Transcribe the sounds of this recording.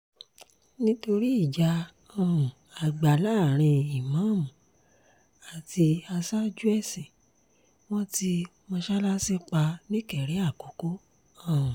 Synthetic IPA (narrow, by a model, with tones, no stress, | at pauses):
nĩ˦to˧ɾi˦i˦˨d͡ʒa˨˧ | ɔ̃˦˨ũ˨ | a˨ɡ͡ba˨la˦˨ɾ̃ĩ˧i˨mã˨˦˨mũ˨ | a˨ti˧a˧sa˦d͡ʒu˦ɛ˦˨sĩ˨ | w̃ɔ̃˦ti˧ | mɔ̃˧ʃa˦la˦si˦k͡pa˧nĩ˦kɛ˨ɾe˨˦a˦˨ko˨˦ko˦ | ɔ̃˦˨ũ˨